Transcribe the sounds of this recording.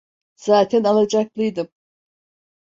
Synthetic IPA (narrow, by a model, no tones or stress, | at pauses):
z̥aːt̪ʰɛnalˠad͡ʒaklˠɯjd̪ɯm